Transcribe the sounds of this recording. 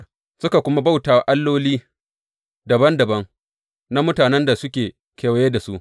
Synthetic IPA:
sʊ˦ka˨kʷʊ˦ma˦ba˦wtaː˨wa˨ʔa˦lːoː˦liː˦ | dɐ˨bɐ˦ndɐ˨bɐ˦ŋ | na˦mʊ˦taː˨nɛ˦nda˨sʊ˦kʲeː˨ | kaː˨wjeː˦da˨su˦ʔ

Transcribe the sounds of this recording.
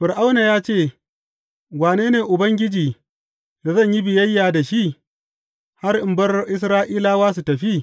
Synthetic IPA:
ɸɪ˨rʔa˦wna˨jaː˦t͡ʃeː˦˨ | waː˨neː˦neː˨ʔʊ˨bɐ˦ŋɡʲɪ˦d͡ʒiː˨ | da˨zɐ˦ɲji˦bɪ˨jɐ˦jːaː˨da˨ʃi˦ʔ | ha˦rʔɪ˨mbɐ˦rʔɪ˦s̬ɾaː˦ʔiː˦laː˦waː˦s̬u˨tɐ˨ɸi˦

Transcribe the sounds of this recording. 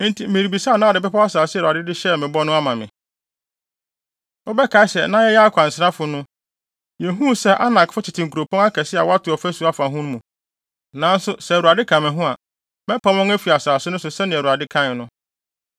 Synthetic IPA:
n̩˦tʰi˨˦mɪ̃˨ɾi˨bi˨saː˦˨nã˦˨dɪ˨pɛ˦pa˦a˦saː˨sɪ˦˨ɾa˨dɪ˦dɪ˦ɕɛ˦˨mɪ̃˨bɔ˦nʊ̃˦a˦mã˨mɪ̃˨ | o˦bɛ˦kʰa˨ɪ˦sɛ˨nã˦jɛ˦jɛ˦a˦kʷʰã˨n̩˨sɪ˦ɾa˦fʊ˨nʊ̃˦ | jɛ˨ɦũ˦sɛ˦ʔa˦nã˨kfʊ˦t͡ɕʰɪ˨tʰɪ˨ŋ̩ku˨ɾo˨pʰɔ̃˦ŋa˦kʰɛ˨sɪ˦a̰˨wa˦tʊ˨ɔ˨fæ˦su˨a˦fa˨ɦũ˦ñ˦mũ˨ | nã˨˦n̩˦sʊ˦sɛ˨ɾu˨a˨dɪ˦kʰã˨mɛ̃˨ɦʊ̃˦a˨ | mɛ̃˦pʰã˦mɔ̃˦ŋæ˦fi˨a˨saː˨sʊ˦nʊ̃˦sʊ˨sɛ˦nɪ̃˨ɛ˨ɾu˨a˨dɪ˦kʰã˦˨nʊ̃˦

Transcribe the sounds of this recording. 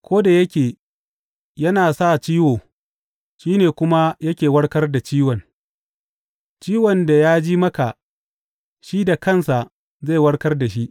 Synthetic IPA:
kʷʰoː˦da˨jɐ˦kʲeː˨ | jɐ˦naː˨sa˦˨t͡ʃiː˦woː˨ | ʃiː˦neː˨kʷʊ˦ma˦jɐ˦kʲeː˨wɐ˦ɽkɐ˦rda˨t͡ʃiː˦wɔ˨n | t͡ʃiː˦wɔ˨nda˨jaː˦d͡ʒiː˦mɐ˦ka˨ʔ | ʃi˦da˨kɐ˦˨nsa˨ʔ | ze˦˨jwɐ˦ɽkɐ˦rda˨ʃ̬i˦ʔ

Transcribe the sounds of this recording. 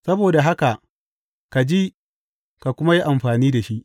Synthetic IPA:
sɐ˦boː˨da˨ɦa˦ka˨ʔ | ka˨d͡ʒiː˦ | ka˨kʷʊ˦ma˦ji˦ʔa˨mɸaː˨niː˦da˨ʃi˦ʔ

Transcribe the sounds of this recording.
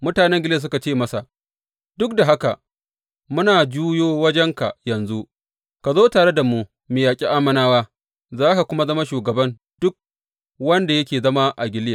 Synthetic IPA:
mʊ˦taː˨nɛ˦ŋɡʲɪ˦le˦˨s̬ʊ˦ka˨t͡ʃeː˦˨mɐ˦sa˨ | d̥ʊ˦k̚da˨ɦa˦ka̰˨ʔ | mʊ˦naː˨d͡ʒuː˦joː˦wɐ˦d͡ʒɛ˦ŋka̰˨jɐ˨nzu˦ʔ | ka˨zoː˦taː˨ɽe˦da˨mu˦ | meː˨jaː˨kʲʼi˦ʔa˦mɐ˦naː˦waː˦ | zaː˦ka˨kʷʊ˦ma˦zɐ˦ma˦ʃuː˨ɡɐ˨bɐ˦n | d̥ʊ˦k̚ | wɐ˦nda˨jɐ˦kʲeː˨zɐ˦ma˦ʔa˨ɡʲɪ˦lja˨

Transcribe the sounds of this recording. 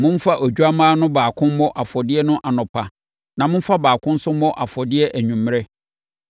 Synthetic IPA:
mʊ̃˦m̩˦fa˦ʔo˨d͡ʑᶣu˦a˦mãː˦nʊ̃˦baː˨kʰʊ̃˦mmɔ˦ʔa˨fɔ˨dɪ˦ɛ˦nʊ̃˦ʔa˨nʊ̃˨pʰa˨ | nã˨mʊ̃˦m̩˦fa˦baː˨kʰʊ̃˦n̩˦sʊ̃˦mː˦ɔ˦ʔa˨fɔ˨dɪ˦ɛ˦ʔæ˨ɲᶣũ˨mː˦ɾɛ˦

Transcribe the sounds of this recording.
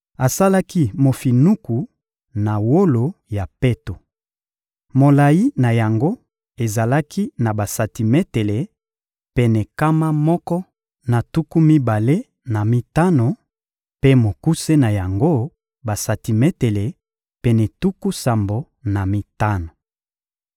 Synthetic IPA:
a˨sa˦la˦ki˦mo˨fi˨nu˦ku˨ | na˨wo˦lo˨ja˨pe˦to˨ | mo˨la˨ji˦na˨ja˨ŋɡo˦ | e˨za˨la˦kʰi˦na˨ba˨sa˨ti˨me˦te˨le˨ | pɛ˨nɛ˨ka˦ma˦mɔ˦kɔ˦ | na˨tu˦ku˦mi˦ba˨le˦ | na˨mi˦ta˦no˨ | pe˦mo˨ku˦se˦na˨ja˨ŋɡo˦ | ba˨sa˨ti˨me˦te˨le˨ | pɛ˨nɛ˨tu˦ku˦sa˨mbo˨ | na˨mi˨ta˦no˨

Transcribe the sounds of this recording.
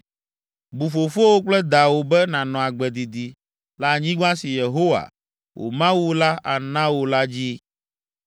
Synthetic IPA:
bu˨fo˨fo˦wo˦k͡plɛ˦d̪a˨wo˨bɛ˦nã˨nɔ̃˨a˨ɡ͡bɛ˨d̪i˨d̪i˨ | la˨ɲĩ˦ɡ͡bã˦si˨je˨ɦo˦wa̰˨ | wʔo̰˨mã˦wu˦la˦ʔa˨nã˦wo˨la˦d͡ʑi˦

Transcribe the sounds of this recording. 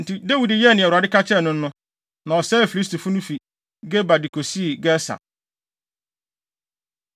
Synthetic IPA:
n̩˨tʰi˨de˦wi˨dɪ˨jɛ˦˨nɪ̃˨ɛ˨ɾa˨dɪ˦kʰa˦t͡ɕʰɛ˦˨nʊ̃˦n̩˦nʊ̃˦ | nã˨ɔ˨sɛː˦˨fi˨li˦s̬tu˨fʊ˦nʊ̃˦fi˨ | ɡɛ˦ba˨di˨kʰo˨si˦˨ɡɛ˦sa̰˨

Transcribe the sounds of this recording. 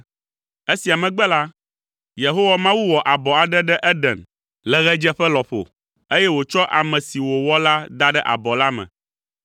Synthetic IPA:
e˦si˨a˨mɛ̃˨ɡ͡bɛ˦la˦ | je˨ɦo˦wa˨mã˦wu˦wɔ˨ʔa˨bɔ˨a˨ɖɛ˦ɖɛ˦ʔɛ˦ɖɛ˨n | lɛ˨ɣɛ˦d͡ʒɛ˦ɸɛ˦lɔ˨ɸo̰˨ | e˦jɛ˦wo˨t͡ʃɔ˦ʔa˨mɛ̃˨si˨wo˨wɔ˦la˦d̪a˦ɖɛ˦ʔa̰˨bɔ˨la˦mɛ̰̃˨

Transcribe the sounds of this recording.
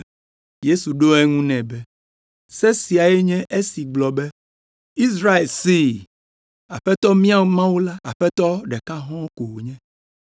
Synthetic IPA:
je˦su˨ɖo˦ɛ˦ŋũ˦nɛ̃˨bɛ˦ | sɛ˦si˨a˨je˦ɲɛ̃˦ʔe˦si˨ɡ͡blɔ˨bɛ˦ | i˦sɾa˦e˨lsi˦˨ | a˨ɸɛ˦t̪ɔ˦mĩ˦a˨˦mã˦wu˦la˦a˨ɸɛ˦t̪ɔ˦ɖɛ˨ka˦ɦɔ̃˦ko˨wo˨ɲɛ̃˦

